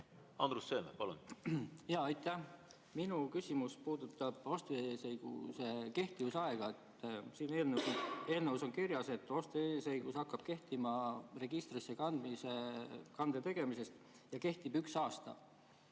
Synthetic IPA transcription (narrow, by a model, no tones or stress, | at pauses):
ɑ̰nd̪ɾusːeːmepɑlṵnjɑːɑjt̪ːˑæh | minukysʲimuspuːd̪ut̪ːˑɑb̥ost̪esejɡ̥ṵse̞ke̞ht̪ivusɑeɡ̥ɑet̪ːˑsiːne̞ːlneue̞ːlnevuso̞nkirjɑse̞t̪ːˑo̞st̪eːse̞jɡ̥usɑkːɑb̥̚ke̞ht̪imɑre̞ɡ̥ist̪risːe̞kɑnd̪misekɑnd̪̥e̞t̪e̞ɡ̥e̞mise̞st̪ | jɑke̞ht̪ib̥yksɑːst̪ɑ̰